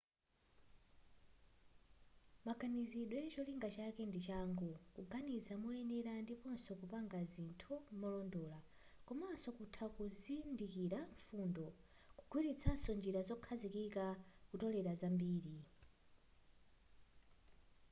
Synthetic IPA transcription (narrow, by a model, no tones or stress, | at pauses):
maɡaniziɗwɛt͡ʃɔliŋɡat͡ʃakɛndit͡ʃaŋɡukuɡanizamɔɛnɛɾandipɔnsɔkupaŋɡazintʰumɔlɔndɔla | kɔmasɔkutʰakuzindikiɾaɱfundɔ | kuɡ̥wiɾit͡sʰasɔnd͡ʒiɾazɔkʰazikikakutɔlɛɾazambiːɾi